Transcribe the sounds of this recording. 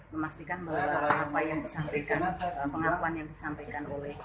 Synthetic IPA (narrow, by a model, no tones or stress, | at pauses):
məmast̪ikanbabaɾapajaŋdisampajkanəpəŋakuanjaŋdisampajkanolɛh